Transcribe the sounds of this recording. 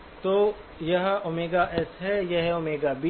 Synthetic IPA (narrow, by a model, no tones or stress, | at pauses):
t̪oː | jɐɦomeːɡaʔɛsɦɛjɛɦɛomeːɡabi